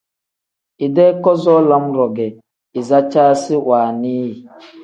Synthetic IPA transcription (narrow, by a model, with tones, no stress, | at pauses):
i˨dɛ˦kɔ˦zɔ˦la˦mɾɔ˨ɡɛ˨ | i˨za˦t͡ʃaː˦si˦waː˨niː˦˨